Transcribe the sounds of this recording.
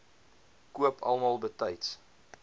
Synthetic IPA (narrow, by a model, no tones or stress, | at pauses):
kuəpʰɐ̰lˠmɑːlˠbətəjts